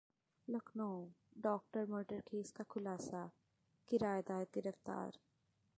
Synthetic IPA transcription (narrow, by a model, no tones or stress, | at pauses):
lɐkʰnoɖɔːk̚ʈəɾmoːʈəɾkʰeːskakʰʊlaːsa | kɪɾaːjd̪aːjət̪̚ɡɪɾəft̪a̰ːɾ